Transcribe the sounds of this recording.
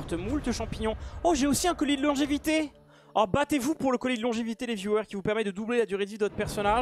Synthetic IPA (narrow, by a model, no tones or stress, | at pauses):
ʁt̪əmult̪əʃɑ̃piɲɔ̃oʒeosiɛ̃kɔlid̪əlɔ̃ʒevit̪e | ɔbat̪evupuʁləkɔlid̪əlɔ̃ʒevit̪ed̪evjuœʁkʲivupɛʁmɛd̪əd̪ublelad̪yʁed̪id̪əvɔt̪χpɛʁsɔnaʒ